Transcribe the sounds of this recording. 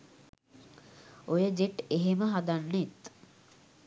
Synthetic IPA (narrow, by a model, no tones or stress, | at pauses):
ojəd͡ʒeʈeɦeməɦad̪anːet̪